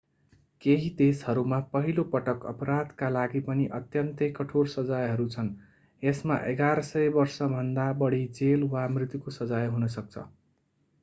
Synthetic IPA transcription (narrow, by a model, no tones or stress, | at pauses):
keɦid̪eshʌɾumapʌɦilopʌʈʌkʌ̰pɾad̪kalaɡipʌniʔʌt̪jʌnt̪ʌjkʌʈʰoɽsʌd͡zajɦʌɾut͡sʰʌn | esma̰ʔeɡaɾʌsʌjbʌrsʌbʱʌnd̪abʌɽid͡zelwamrit̪jukosʌd͡zajɦunʌsʌk̚t͡sʰʌ̰